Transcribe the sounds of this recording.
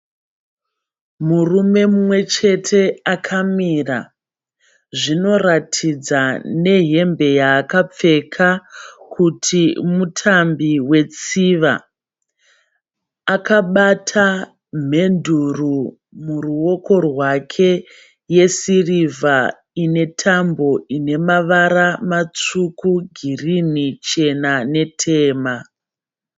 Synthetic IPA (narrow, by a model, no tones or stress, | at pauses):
murume̞mumwe̞t͡ʃe̞tʰe̞akʰamira̰ | ʐino̞ratʰid͡zane̞ɦe̞mbe̞jaːkap͡fe̞kʰakʰutʰimutʰambiwe̞t͡siʋa̰ | akaɓatʰa | m̤e̞nduru | muruo̞ko̞rwakʰe̞ | je̞siriva | ine̞tʰambo̞ine̞maʋaɾamat͡sukuɡʱirinit͡ʃe̞nane̞tʰe̞ːma